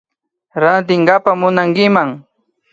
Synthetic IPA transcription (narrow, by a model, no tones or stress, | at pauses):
ɾant̪ɪŋɢapamʊnaŋkɪmaŋ